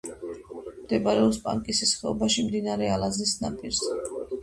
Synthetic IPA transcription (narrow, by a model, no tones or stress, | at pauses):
md̪ɛbaɾɛɔpspʼa̰ŋkʼisisχɛɔ̰baʃimd̪inaɾɛalazisna̰pʼiɾs